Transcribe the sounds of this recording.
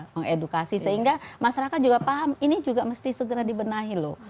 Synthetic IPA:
məŋedukasisəɦiŋɡamaʃaɾakat̪̚d͡ʒuɡapaɦaminid͡ʒuɡaməst̪isəɡəɾadibənaɦilʊh

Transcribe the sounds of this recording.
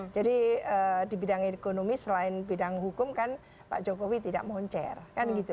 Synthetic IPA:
d͡ʒadiədibidaŋekonomisəlaɪnbidaŋɦukʊmkan | pa̰ʔd͡ʒokowit̪ida̰ʔmɔɲt͡ʃɛ̰rkanɡit̪u

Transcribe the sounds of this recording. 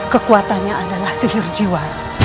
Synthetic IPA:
kəkuat̪anɲaʔadalahsiɦɪrd͡ʒiwan

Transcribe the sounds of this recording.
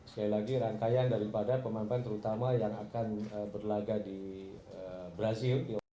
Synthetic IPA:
sə̥kailaɡiɾaŋkajandaɾipadapəmampant̪əɾut̪amajaŋakanəbərlaɡadiəbɾazɪldi

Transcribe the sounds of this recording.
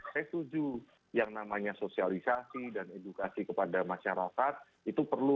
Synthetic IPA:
pɛst̪ud͡ʒu | jaŋnamaɲasosialisasidanedukasikəpadamaʃaɾakat̪̚ | it̪upərlu

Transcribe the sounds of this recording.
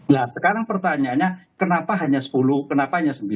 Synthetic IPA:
lahsəkaɾaŋpərt̪aɲaɲakənapaɦaɲasə̥pulukənapaɦaɲasəmbi

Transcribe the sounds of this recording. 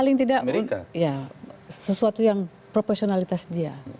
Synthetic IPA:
alɪŋt̪idaʔnijasəsuat̪ujaŋ | pɾoporsionalit̪asdia

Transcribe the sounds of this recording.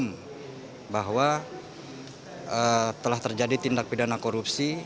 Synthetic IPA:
m | baɦwa | ət̪əlaht̪ərd͡ʒadit̪indak̚pidanakoɾupsi

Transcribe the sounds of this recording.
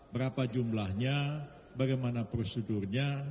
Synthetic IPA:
bəɾapad͡ʒumlahɲa | baɡajmanapɾosidurɲa

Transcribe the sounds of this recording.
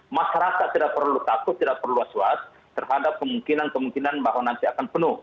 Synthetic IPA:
masaɾasat̪idapərlut̪akʊt̪̚ːidapərluasuat̪̚ːərɦadap̚kəmuŋkinankəmuŋkinanbaɦwanant̪iakanpənʊh

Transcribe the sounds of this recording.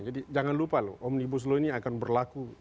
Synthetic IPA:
d͡ʒadid͡ʒaŋanlupalo̰ʔɔmnibus̬loniakanbərlaku

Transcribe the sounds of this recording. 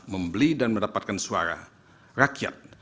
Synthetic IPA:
məmbəlidanməndapat̪̚kansua̰ɾa̰ | rakia̰t̪̚

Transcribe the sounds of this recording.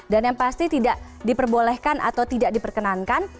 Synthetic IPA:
danjaŋpast̪it̪idaʔ | dipərbolɛhkanʔa̰t̪awt̪idaʔ̚dipərkənankan

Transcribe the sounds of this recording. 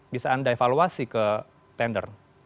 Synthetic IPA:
bisaːndaefaluasikə | t̪ɛndər

